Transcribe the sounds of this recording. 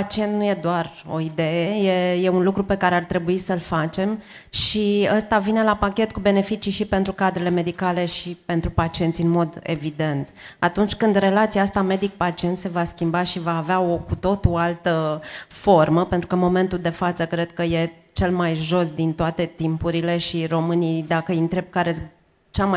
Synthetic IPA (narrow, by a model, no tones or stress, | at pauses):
pat͡ʃient̪nuje̞d̪oaro̞̰id̪ejejeje̞unlukɾupe̞kaɾeart̪ɾe̞buisəlfat͡ʃe̞m | ʃiəst̪avine̞lapakʲe̞t̪kube̞ne̞fit͡ʃiʃipe̞nt̪ɾukad̪ɾele̞me̞d̪ikale̞ʃipe̞nt̪ɾupat͡ʃient̪sʲɨnmo̞d̪e̞̰vid̪e̞nt̪at̪unt͡ʃʲkɨnd̪re̞lat̪sijaast̪ame̞d̪ik̚pat͡ʃie̞nt̪se̞vaskʲimbaʃivaːveaokut̪o̞t̪oalt̪əfo̞rməpent̪ɾukəmo̞me̞nt̪uld̪e̞fat̪səkɾe̞d̪̥̚kəje̞ | t͡ʃe̞lmajʒo̞sd̪int̪oat̪e̞t̪impuɾile̞ʃiro̞mɨnijd̪akəɨnt̪ɾe̞b̚kaɾe | t͡ʃama